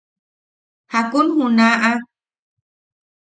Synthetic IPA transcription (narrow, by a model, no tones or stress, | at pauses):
hakunhunãʔa